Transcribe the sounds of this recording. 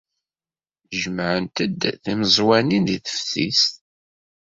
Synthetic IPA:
ʒəmʕənt̪əd̪θiməzˤwæninðiθə̥fθḭst̪

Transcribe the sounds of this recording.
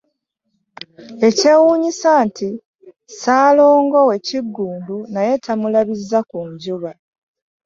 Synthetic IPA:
e̞ce̞wuːɲisanti | saːlo̞ːŋɡo̞we̞ciɡːuːndunaje̞tʰamulaβizːakuɲɟuβa

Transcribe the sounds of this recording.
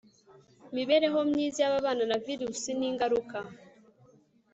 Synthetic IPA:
miβe̞ɾe̞ɦo̞mɲiːzijaβaβaːnanaviɾusiniːŋɡaɾuka

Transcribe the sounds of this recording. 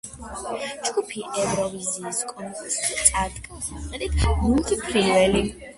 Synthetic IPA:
d͡ʒɡupʰiʔɛvɾɔviziːskʼɔnkʼɛsʼit̪sʼad̪kʼasaɛd̪it̪ʰɡulˠt̪ʰipʰɾivɛli

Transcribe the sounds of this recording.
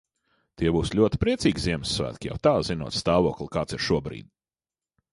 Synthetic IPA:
t̪iɛbuːslʲuɔt̪i̥pɾiɛt̪siːɡzʲiɛmsːvæ̰ːt̪kʲija̰wt̪aːzinṵːt̪st̪aːvuːklˠikaːt̪siɾʃuɔbɾḭːd̪̥̚

